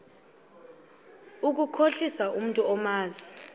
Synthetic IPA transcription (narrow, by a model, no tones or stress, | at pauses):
uk̬ukʰoɬisaum̩ntʼuɔmaːzi